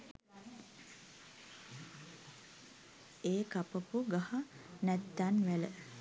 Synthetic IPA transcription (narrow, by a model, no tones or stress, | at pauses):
eːkapəpuɡahanæt̪ːanʋælə